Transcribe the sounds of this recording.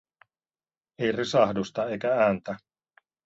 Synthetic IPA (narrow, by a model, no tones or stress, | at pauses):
ejrisɑhdust̪ɑe̞jkææːnt̪æ